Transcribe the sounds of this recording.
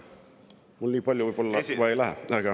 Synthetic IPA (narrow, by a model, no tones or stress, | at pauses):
mulniːpɑlʲjoʋoibolːɑʋɑelæhæ̰ɑkɑ